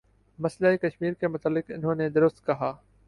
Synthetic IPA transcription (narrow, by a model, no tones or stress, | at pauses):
mɐslaːikɐʃmiːɾkemʊt̪aːlːɪqɪ̰nɦõːned̪ʊɾʊst̪̚kɐɦaː